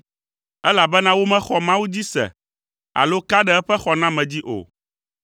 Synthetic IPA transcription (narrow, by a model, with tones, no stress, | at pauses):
ɛ˦la˨bɛ˦nã˦wo˦mɛ̃˦xɔ˨mã˦wu˦d͡ʑi˦sɛ̰˨ | a̰˨lo˦ka˦ɖɛ˦ɛ˦ɸɛ˦xɔ˨nã˦mɛ̃˨d͡ʑi˦ʔo̰˨